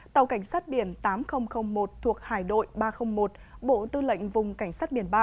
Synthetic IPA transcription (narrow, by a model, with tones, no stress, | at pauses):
t̪ə˨˩wka˧˩jŋ̟saː˦˥t̚ɓi˧˩ənt̪aː˨˦mxə˧wŋ͡mxə˧wŋ͡mmo˨˩t̚t̪ʰu˨˩ək̚haː˧˩jɗo̰˧˨jɓaː˧xə˧wŋ͡mmo˨˩t̚ɓo̰˧˨t̪ɨ˧lə̰˧˨ŋ̟vʊ˨˩ŋ͡mka˧˩jŋ̟saː˦˥t̚ɓi˧˩ənɓaː˧